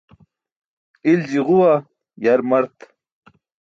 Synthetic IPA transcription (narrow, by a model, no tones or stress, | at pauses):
ild͡ʑiʁuwa | jaɾmɐɾt̪